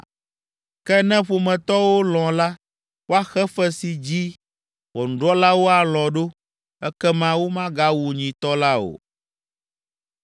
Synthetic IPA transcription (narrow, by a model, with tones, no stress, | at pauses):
kɛ˦nɛ̃˦ɸo˨mɛ̃˨t̪ɔ˦wo˦lɔ̃˨la˦ | wo˦a˦xɛ˦fɛ˦si˨d͡ʑi˦ | wɔ˨ñ̩˨ɖɔ˦la˦wo˦a˨lɔ̃˨ɖo˦ | ɛ˦kɛ˦mã˦wo˦mã˦ɡa˦wu˨ɲĩ˨t̪ɔ˦la˦o̰˨